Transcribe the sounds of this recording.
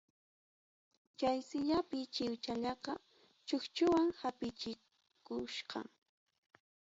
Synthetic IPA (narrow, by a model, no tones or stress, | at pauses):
t͡ʃajsɪʎapɪt͡ʃɪwt͡ʃaʎɑqɑ | t͡ʃʊxt͡ʃʊwaŋhapɪt͡ʃɪ | kʊʃqɑ̰ŋ